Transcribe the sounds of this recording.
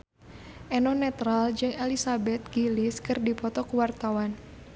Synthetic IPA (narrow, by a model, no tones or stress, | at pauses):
ʔɛnɔnɛt̪ɾald͡ʒɨŋɛlisabɛt̪̚ɡ̥iliskɨrdipɔt̪ɔkuwart̪awan